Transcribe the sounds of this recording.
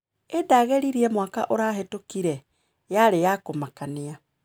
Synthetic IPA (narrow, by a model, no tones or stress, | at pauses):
edaɣeɾiɾiɛmwaːka̰ʔoɾaːɦetokiɾɛ | jaɾejakomakania